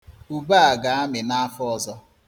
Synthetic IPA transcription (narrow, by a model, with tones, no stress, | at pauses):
u˨ba˦a˨ɡa˨a˦mɪ˨na˦a˦fɔ˨zɔ˦